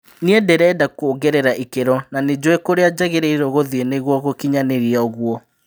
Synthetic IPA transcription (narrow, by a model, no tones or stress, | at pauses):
niɛdɛɾɛːdakoːɡɛɾɛɾaʔikeɾɔnaned͡ʑoekoɾead͡ʑaɣeɾɛiɾoɣoðieneɣwɔɣokiɲaneɾiɛɔɣwɔ